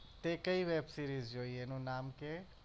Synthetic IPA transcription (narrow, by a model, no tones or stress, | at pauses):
t̪ekəiʋeːbsiːɾiːzd͡ʒoːienũnaːmke